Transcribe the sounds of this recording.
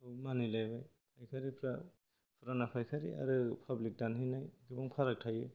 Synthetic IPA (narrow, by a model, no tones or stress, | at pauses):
manilajbaj | pʰajkʰaɾipʰɾa | pʰɯɾanapʰajkʰaɾḭa̰ɾɯpʰablik̚danɦinajɡɯbɔŋpʰaɾak̚tʰajɯ